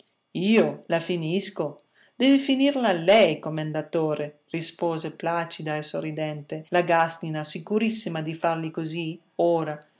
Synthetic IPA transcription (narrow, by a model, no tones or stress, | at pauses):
iːolafinisko | d̪̥ɛvifiniɾlaːlːɛjkomːend̪at̪oːɾerispoːzeplaːt͡ʃid̪aesorid̪ɛnt̪elaɡast̪inasikuɾisːimad̪ifarlikozi | oːɾa